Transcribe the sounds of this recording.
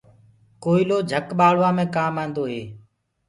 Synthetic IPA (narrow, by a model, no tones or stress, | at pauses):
koːiːloːd͡ʒʱəkɓaːɭ̤ʋãːmẽːkaːmãːnd̪oːɦeː